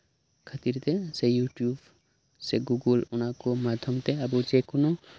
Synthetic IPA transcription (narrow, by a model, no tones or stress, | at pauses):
kʰat̪iɾt̪ɛsejuʈjub | seɡuɡulunakomad̪ʱjɔmt̪ɛabud͡ʒekono